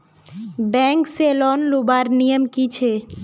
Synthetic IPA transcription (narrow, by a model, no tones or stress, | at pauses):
bɛ̃ːŋkseːlɔːnlubaːɾnijəmkit͡ʃʰe